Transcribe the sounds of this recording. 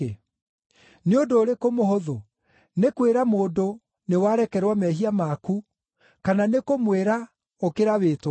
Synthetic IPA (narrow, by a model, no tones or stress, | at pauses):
neondoːɾekomoɦoðo | nekweɾamoːdo | newaɾɛkɛɾwamɛɦiamaku | kananekomweɾa | okeɾaβeːtwa